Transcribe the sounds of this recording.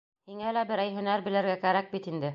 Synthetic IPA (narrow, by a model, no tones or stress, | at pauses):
hiŋælæbɘ̆ɾæjɦɵ̆næɾbɘ̆lɘ̆ɾɡækæɾæk̚bit̪ind̪ɘ